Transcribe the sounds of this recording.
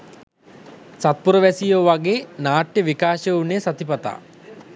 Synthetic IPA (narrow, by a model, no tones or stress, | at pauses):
sat̪̚puɾəʋæsijoːʋaɡeːnaːʈjəʋikaːʃeunesat̪ipɐt̪a̰ː